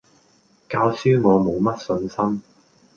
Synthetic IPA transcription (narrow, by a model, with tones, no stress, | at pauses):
kaː˧wsyː˥ŋɔː˨˧mo˨˧wmɐ˥t̚sɵ˧nsɐ˥m